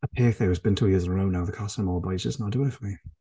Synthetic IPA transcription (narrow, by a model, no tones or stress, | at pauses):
əpʰeθeəzbɪ̃ntʰuːjɪəzəɹãʊ̃nːaʊðəkʰɑstə̃mɔlˠbaɪzd͡ʒəsnəd̥uɪ̃ŋfəmi